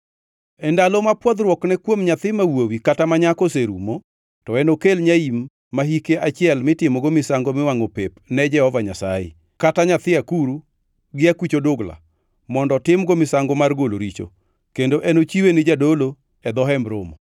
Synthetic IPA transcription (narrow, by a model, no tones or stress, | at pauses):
ɛndalomapwɔd̪ɾwɔknɛkwomɲat̪ɪmawowikatamaɲakoseɾumo | tɔɛnokelɲaimː | aɦikeʔat͡ʃɪɛlmɪtɪmoɡomɪsaŋɡomɪwaŋopepnɛd͡ʒɛhɔvaɲasajḛ | kataɲat̪ɪakuɾu | ɡɪakwit͡ʃodoɡla̰ | mɔndɔtɪmɡomɪsaŋɡomarɡolo̰ɾit͡ʃo̰ | kendoʔɛnot͡ʃiwenɪd͡ʒadolo | ɛd̪ɔɦɛmɾomɔ